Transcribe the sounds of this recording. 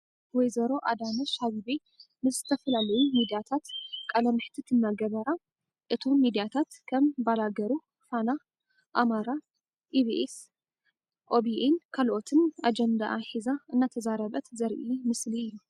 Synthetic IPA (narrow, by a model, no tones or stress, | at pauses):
wɔjzɐɾo̞ʔad̪anɐʃhaβibe | nɨzɨt̪ʰɐfɐlalɐjumid̪ijat̪ʰat̪kʼɐlɐmħt̪ʰit̪ʰɨnːaɡɐβɐɾa | ʔɨt̪ʰo̞mːid̪ijat̪ʰat̪kʰɐmbalaɡɐɾu | fana | ʔamaɾa | ʔiβiʔes | ʔobiʔenkʰalʔo̞t̪ʰɨnʔad͡ʒɛnd̪aʔħizaʔɨnːat̪ʰɐzaɾɐβɐt̪zɐɾʔimɨsliɨjːu